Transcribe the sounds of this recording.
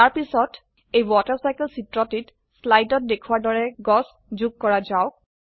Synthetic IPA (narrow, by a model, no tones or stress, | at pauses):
aɹpisɔt | ejwɔtəɹsajkɛlsitɹɔtit | slajtɔt̚dekʰuwaɹdɔɹɛɡɔs | zuɡ̚kɔɹazaʊ